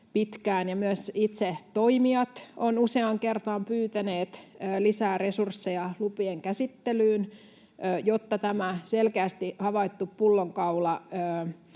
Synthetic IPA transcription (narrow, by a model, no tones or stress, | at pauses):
pit̪kæːnjɑmyæsit̪set̪oimiɑt̪onuseɑŋkert̪ɑmpyːt̪æneːt̪ːlisæːresursːejɑlupieŋkæsit̪ːelyːnː | jot̪ːɑt̪æmæselkeæst̪ihɑʋɑit̪ːuppulːoŋkɑulɑəː